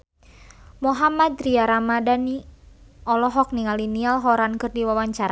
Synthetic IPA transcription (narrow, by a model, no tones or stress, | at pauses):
mɔɦamad̪ɾiaɾamadani | ɔlɔɦɔk̚niŋalinialɦɔɾankɨrdiwawaɲt͡ʃaɾa